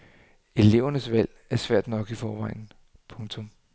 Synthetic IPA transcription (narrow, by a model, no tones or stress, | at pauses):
e̝le̝ʊɐnəsʋæl̰ | æɐsʋæɐ̰d̥nɒ̽ɡ̥ifɒːʋɑ̈ɪ̰n̩ | pʰɔ̽ŋt͡sʰɔ̽m